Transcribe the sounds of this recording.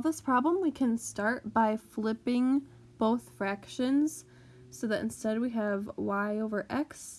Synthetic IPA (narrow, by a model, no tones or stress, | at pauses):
ðɪspʰɹ̥ɑblə̃mwikʰɨ̃nstɑɹt̚b̥aɪflɪpɪ̃ŋ | b̥oʊθfɹækʃɨ̃nz̥ | soʊðɨɾ̰̃n̩stɛd̚wiɨvwaɪoʊvə˞ʔɛks